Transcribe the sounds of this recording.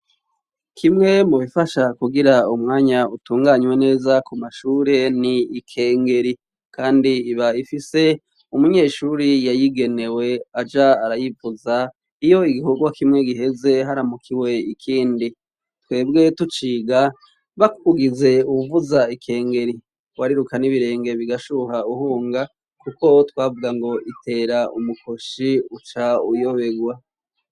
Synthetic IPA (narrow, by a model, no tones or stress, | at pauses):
kʰimŋe̞muβifaʃakuɡiɾaumŋaːɲautuːŋɡaɲwe̞ne̞ːzakumaʃuːɾe̞niːkʰe̞ːŋɡe̞ɾi | kʰaːndiːβaifise̞ | umuɲe̞ːʃuɾijajiɡe̞ne̞we̞ad͡ʒaaɾajivuza | ijo̞iɡihuɡwakimŋe̞ɡiɦe̞ze̞ɦaɾamukʰiwe̞ikʰiːndi | twe̞ːbɡe̞tut͡ʃiːɡa | βakuuɡize̞uuvuzaikʰe̞ːŋɡe̞ɾi | waɾiɾukaniβiɾe̞ːŋɡe̞βiɡaʃuɦauhuːŋɡa | kuko̞twaːvuɡaŋɡo̞itʰe̞ːɾaumukʰo̞ʃiut͡ʃaujo̞βe̞ɡwa